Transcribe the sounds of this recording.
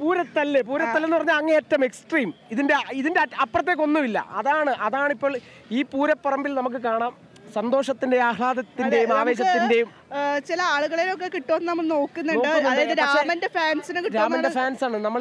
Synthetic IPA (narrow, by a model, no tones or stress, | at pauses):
puːɾɐt̪ːɐlːep̬uːɾɐt̪ːɐlːenːupɐrɐɲːaːlɐŋːeeːtːɐme̞ksʈriːmiðinde̞iðindeɐpːrɐt̪̬ːek̬ːo̞nːumilːɐ̰ɐðaːɳɨʔɐðaːɳipːo̞ːɭ | iːpuːɾɐpːɐrɐmbilnɐmuk̬ːɨkaːɳaːm | sɐnd̪o̞ːʂɐt̪ːindeaːɦɭaːd̪ɐt̪ːinde̞jumaːʋe̞ːɕ̬ɐt̪ːinde̞jum | t͡ɕilɐaːɭuɣɐɭilok̬ːekiʈːoːnːɨnɐmːɐɭnoːkːunːɐnoːɖkːunːɐɐðejðɾɐaːemɐndefaːnsinɨkiɾaːmɐnde̞faːnsaːɳɨnɐmːɐɭ